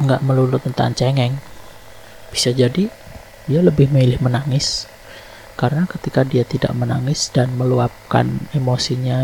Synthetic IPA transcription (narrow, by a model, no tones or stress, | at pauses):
ŋɡaʔməlulʊt̪̚ːənt̪a̰nt͡ʃɛŋɛŋ | b̥isad͡ʒadi | dialəbɪhməilɪhmənaŋɪs | kaɾənakət̪ikadiat̪ida̰ʔmənaŋɪsd̥anməluap̚ka̰nemosiɲa